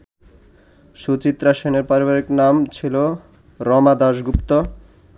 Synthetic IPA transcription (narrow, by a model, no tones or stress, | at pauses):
ʃut͡ɕit̪ːɾaʃeneɾpaɾibaɾiknamt͡ɕʰilo | ɾɔmad̪aʃɡupt̪o